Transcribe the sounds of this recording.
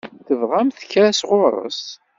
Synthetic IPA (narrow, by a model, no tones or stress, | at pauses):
θəvʁæmθçɾæsʁʊɾˤə̰s